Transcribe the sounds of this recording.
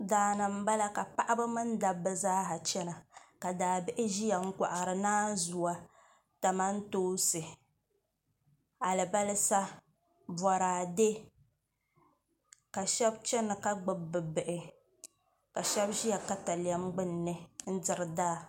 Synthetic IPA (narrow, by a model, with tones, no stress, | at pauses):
daː˨nɨ˨m̩˦ba˦la˦ka˨pa˦ʔa˦bɨ˦mɨ˦n˦da˨bɨ˦zaː˦ɦa˨t͡ʃɛ˦na˨ka˨daː˨bɪ˦ʔɪ˦ʒi˦ja˨ŋ̩˦ka˨ʔa˨ɾɨ˨naː˦zu˨wa˦ | ta˨ma˦n̩˦toː˦sɨ˨ | a˨lɨ˨ba˦lɨ˦sa˦ | bɔ˨ɾaː˨de˦ | ka˨ʃɛ˦bt͡ʃɛ˦nːɨ˨ka˦ɡ͡bɨ˨bːɨ˨bɨ˨ʔɪ˨ | ka˨ʃɛ˦bʒi˦ja˨ka˦ta˨li˨a˦mɡ͡bɨ˦nː˨ɨ˦n̩˦dɨ˨ɾɨ˨daː˦˨